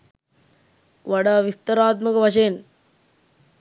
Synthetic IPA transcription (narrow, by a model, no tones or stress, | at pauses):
ʋɐɽaʋist̪ɐɾaːt̪̚mɐɣɐʋɐʃeːn